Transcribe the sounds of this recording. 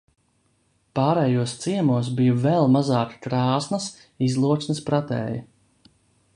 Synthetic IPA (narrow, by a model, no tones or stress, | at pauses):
pɑːɾɛːjuɔst̪siɛmuɔs̬bijuvɛlˠmazɑːkkɾɑːsnɐs | izlˠuɔt̪sʲnəspɾat̪ɛ̰ːjɐ